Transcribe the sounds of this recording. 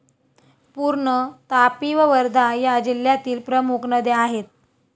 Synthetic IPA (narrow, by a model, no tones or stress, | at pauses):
puɾɳət̪apiʋəʋəɾd̪ʱajad͡ʑiljat̪iːlpɾəmukʰnəd̪ʱeaɦet̪̚